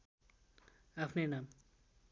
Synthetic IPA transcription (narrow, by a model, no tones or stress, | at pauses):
apʰnenam